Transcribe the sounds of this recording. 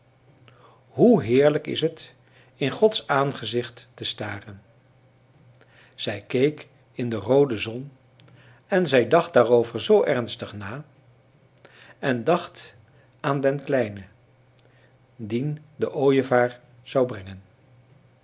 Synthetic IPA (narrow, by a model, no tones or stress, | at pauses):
ɦuɦɪːɹləkɪ̰sɦət | ɪnχɔtsaːnχəzɪχtːəstaːrən | z̥ɛjkejk | ɪndərowdəzɔn | ɛnzɛjdɑχt̚d̥aːrowvəɹzowʔɛɹnstəχnaː | ɛndɑχt | aːndɛnklɛjnə | dindəʔoːjəvaːɹ | z̥ɑwbrɛŋən